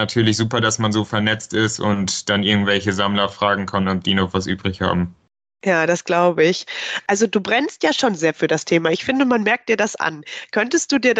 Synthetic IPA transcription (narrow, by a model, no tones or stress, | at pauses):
natʰyːɐlɪçz̥uːpɐdasmanzoːfɛɐnɛt͡stɪstʊntd̥anʔɪɐɡŋ̩tv̥ɛlçəzamlɐfʁ̥aːɡŋ̩kʰanɔp̚d̥iːnɔχvasʔy̰ːbʁɪçha̰ːbm̩ | jaːdasɡ̥laʊbəɪçʔalzoduːbʁɛnstjaːʃoːnzeːɐfyːɐdastʰeːmaɪçfɪndəmanmɛɐk̚td̥iːɐdasʔa̰nkʰœntəst̚d̥uːdiːɐ